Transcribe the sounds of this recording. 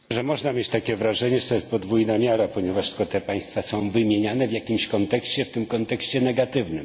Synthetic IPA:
ʐɛmɔʐnamʲjet͡ɕt̪akʲɛvɾaʐɛɲɛʐɛt̪ɔjɛst̪pɔd̪vujnamʲjaɾapɔɲɛvaʂt̪kɔt̪ɛpaj̃st̪fasɔ̃w̃vɘmʲjeɲanɛvʲjakʲimɕkɔnt̪ɛkɕt͡ɕɛft̪ɘmkɔnt̪ɛkɕt͡ɕɛnɛɡat̪ɘvnɘm

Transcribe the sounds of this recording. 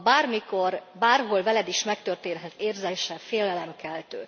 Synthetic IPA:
baːrmiko̞rbaːrɦo̞lvɛlɛd̪iʃmɛkt̪ørt̪eːnɦɛt̪eːrzɛʃɛfeːlɛlɛmkɛlt̪øː

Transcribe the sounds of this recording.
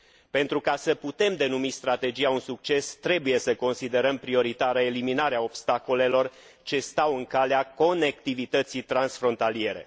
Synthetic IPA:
pe̞nt̪ɾukasəput̪e̞md̪e̞numist̪ɾat̪e̞d͡ʒijaunsuk̚t͡ʃe̞st̪ɾe̞buje̞səko̞nsid̪e̞ɾəmpɾio̞ɾit̪aɾəe̞liminaɾeao̞pst̪ako̞le̞lo̞r | t͡ʃe̞st̪awɨŋkaleako̞ne̞kt̪ivit̪ət̪sijt̪ɾansfɾo̞nt̪alije̞ɾe̞̰

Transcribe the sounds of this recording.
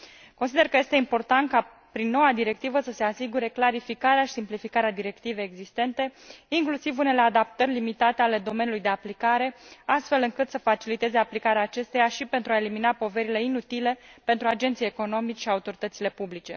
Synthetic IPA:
ko̞nsid̪e̞rkəje̞st̪e̞impo̞rt̪ant̪̚ka | pɾinːo̞wad̪iɾe̞k̚t̪ivəsəse̞asiɡuɾe̞klaɾifikaɾeaʃi̥simplifikaɾead̪iɾe̞kt̪ive̞eɡzist̪e̞nt̪e̞iŋklusivune̞le̞ad̪ap̚t̪ərʲlimit̪at̪e̞ale̞d̪o̞me̞nulujd̪e̞aplikaɾe̞ast̪fe̞lɨŋkɨt̪səfat͡ʃilit̪e̞ze̞aplikaɾeaːt͡ʃe̞st̪e̞jaʃipe̞nt̪ɾuae̞liminapo̞ve̞ɾile̞inut̪ile̞pe̞nt̪ɾuad͡ʒe̞nt̪sijeko̞no̞mit͡ʃʃiaut̪o̞ɾit̪ət̪sile̞publit͡ʃe̞̰

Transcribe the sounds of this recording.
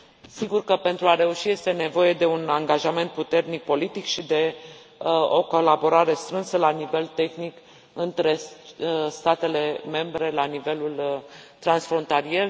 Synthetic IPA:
siɡurkəpe̞nt̪ɾuaɾe̞uʃije̞st̪e̞ne̞vo̞je̞d̪e̞unaŋɡaʒame̞nt̪̚put̪e̞rnik̚po̞lit̪ikʃid̪e̞ | o̞̰ko̞labo̞ɾaɾe̞st̪ɾɨnsəlanive̞lt̪e̞xnik | ɨnt̪ɾe̞ | st̪at̪e̞le̞me̞mbɾe̞lanive̞lult̪ɾansfɾo̞nt̪alie̞r

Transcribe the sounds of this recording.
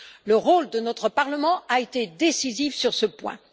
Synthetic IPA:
ləʁold̪ənɔt̪χəpaʁləmɑ̃aet̪ed̪esizifsyʁsəpwɛ̰̃

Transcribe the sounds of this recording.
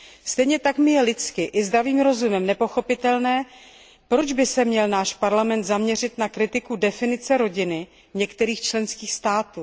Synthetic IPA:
st̪ɛjɲɛt̪akmɪjɛlɪt͡skɪʔɪzd̪ɾaviːmɾo̞zumɛmnɛpo̞xo̞pɪt̪ɛlnɛː | pɾo̞d͡ʒbɪsɛmɲɛlnaːʃpaɾlamɛnt̪zamɲɛr̝ɪt̪nakɾɪt̪ɪkudɛfɪnɪt͡sɛɾo̞ɟɪnɪ | ɲɛkt̪ɛɾiːxt͡ʃlɛnskiːxst̪aːt̪uː

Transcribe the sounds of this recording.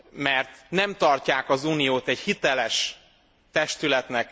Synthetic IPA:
mɛrt̪nɛmt̪ɒrcaːkɒzuːnijoːt̪ɛɟhit̪ɛlɛʃ | t̪ɛʃt̪ylɛt̪nɛk

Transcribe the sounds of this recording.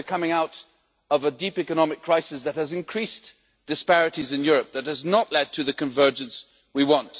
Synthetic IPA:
ɨkʰʌmɪ̃ŋaʊɾ | ʌvədipikɨnɑmɨkʰːɹ̥aɪsɨsðɨt̚hɨzɨ̃nkʰɹ̥is | d̥ɨspɛɹɨɾizɨ̃njʊɹɨp̚ðɨt̚hɨznəʔˡlɛd̚tʰɨðɨkɨ̃ɱvɜ˞d͡ʒɨ̃ns | wiwɑ̃nt

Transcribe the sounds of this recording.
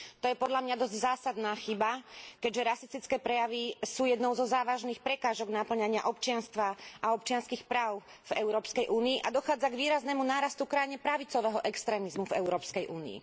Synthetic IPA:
t̪ɔjɛpɔd̪ʎamɲad̪ɔzɟzaːsad̪naːxibakɛɟʒɛɾasist̪it͡skɛːpɾɛjaʋisuːjɛd̪nɔʊzɔzaːʋaʒniːxpɾɛkaːʒɔɡnapl̩ɲaɲɪa̰ʔɔpt͡ʃɪanst̪ʋaʔaɔpt͡ʃɪanskixpɾaːʊv̥ɛʊɾɔːpskɛjʔuːniːʔad̪ɔxaːd͡zaɡʋiːɾaznɛmunaːɾast̪ukɾaiɲɛpɾaʋit͡sɔʋɛɦɔʔɛkst̪ɾɛːmizmuvɛʊɾɔːpskɛjʔuːnḭḭ

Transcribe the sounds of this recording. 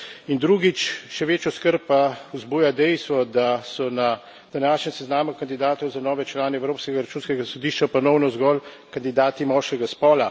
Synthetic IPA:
ind̪ɾuːɡit͡ʃʃɛʋeːt͡ʃjɔskəɾppauzbuːjad̪ɛjst̪ʋɔd̪asɔna | d̪̥anaːʃnʲjɛmsɛznaːmukand̪id̪aːt̪ɔwzanɔːʋɛt͡ʃlaːnɛɛwɾoːpskɛɡaɾat͡ʃuːnskɛɡasɔd̪iːʃt͡ʃapɔnɔwnɔzɡɔːl | kand̪id̪aːt̪imɔʃkɛɡaspɔːla

